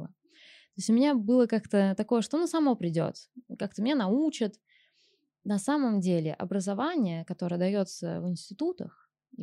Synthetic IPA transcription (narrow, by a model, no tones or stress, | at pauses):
ə | t̪o̞ɪsʲʊmɪnʲabɨlˠəkakt̪ət̪ɐko̞jəʂt̪onusɐmo̞pɾʲɪdʲo̞̰t̪kak̚t̪əmɪnʲenɐut͡ɕɪt̪ | nɐsaməmdʲelʲɪ̰ʔɐ̰bɾəzɐvanʲɪjəkɐt̪o̞ɾəjəd̪ɐjo̞t̪sə̰vɨnsʲtʲɪt̪ut̪ə̰x